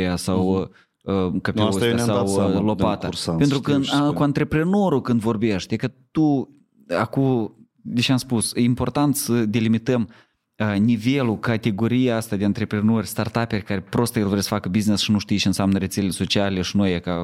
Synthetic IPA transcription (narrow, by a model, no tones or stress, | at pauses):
easaw | əkapesosaasawlo̞pat̪asapent̪ɾukəakuant̪ɾe̞pɾeno̞ɾukɨnd̪vo̞rbe̞ʃt̪ʲekət̪u | aku | d̪eʃeamspusjeimpo̞rt̪ant̪səd̪e̞limit̪əm | nive̞lukat̪e̞ɡo̞ɾijaast̪ad̪eant̪ɾe̞pɾeno̞rʲst̪art̪ape̞rʲkaɾepɾo̞st̪jelvoɾesə̥fakəbiznesʃinuʃt̪ijt͡ʃeɨnsʲamnəɾe̞t̪seleleso̞t͡ʃialʲe̞ʃinojaka